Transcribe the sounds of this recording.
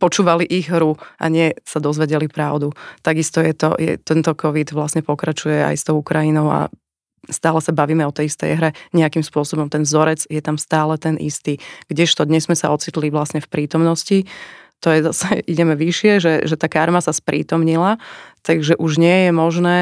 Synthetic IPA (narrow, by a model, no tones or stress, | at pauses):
pɔt͡ʃuːʋaliʔiɣɦɾuʔa̰ɲɪɛsad̪ɔzʋɛɟɛlipɾaʊd̪ut̪aɡist̪ɔjɛt̪ɔ̰jɛ̰t̪ɛnt̪ɔkʰɔʋid̪ʋlasɲɛpɔkɾat͡ʃujɛa̰jst̪ɔʊukɾainɔʊa̰ | st̪aːlɛsabaʋiːmɛɔt̪ɛjist̪ɛ̰jɦɾɛɲɛakimspʊɔsɔbɔmt̪ɛnzɔɾɛd͡zjɛt̪amst̪aːlɛt̪ɛnʔḭst̪iːɡ̥ɟɛʃt̪ɔd̪ɲɛzmɛsaɔt͡sit̪liʋlasɲɛfpɾiːt̪ɔmnɔscit̪ɔjɛzasɛʔiɟɛmɛʋiʃɪɛʒɛʒɛt̪aːkaɾmasaspɾʔḭːt̪ɔmɲilat̪aɡʒɛʔuʒɲɪɛjɛmɔʒnɛː